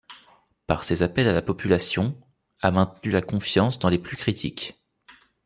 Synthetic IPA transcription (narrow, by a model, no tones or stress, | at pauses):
pa̰ʁsezapɛlalapɔpylasjɔ̃ | amɛ̃t̪nylakɔ̃fjɑ̃sd̪ɑ̃leplykχit̪ʰḭk